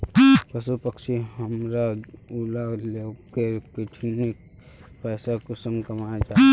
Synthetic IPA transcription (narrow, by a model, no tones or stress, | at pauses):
pəsupəkʃiɦəmɾaulalekekiʈʰinik̚ | pɛːsakʊsəmkɐmat̪a